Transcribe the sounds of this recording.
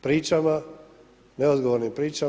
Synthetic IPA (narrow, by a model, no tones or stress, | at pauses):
pɾiːt͡ʃama | neod̪ɡoʋoɾnimpɾiːt͡ʃa